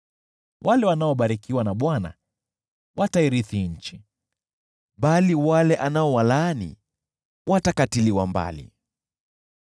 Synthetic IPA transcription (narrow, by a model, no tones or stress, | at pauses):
wʔalɛwanaɔɓaɾikiwanaɓwana̰ | wʔataiɾiθiɲ̩t͡ʃi | ɓaliwalɛʔanaɔwalaːnḭ | watakatiliwamba̰lḭ